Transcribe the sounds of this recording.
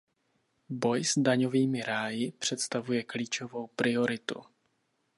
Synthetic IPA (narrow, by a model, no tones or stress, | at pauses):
bo̞jzdaɲo̞viːmɪɾaːjɪpr̝̥ɛt̪st̪avujɛkliːt͡ʃo̞vo̞wpɾɪo̞ɾɪt̪ṵ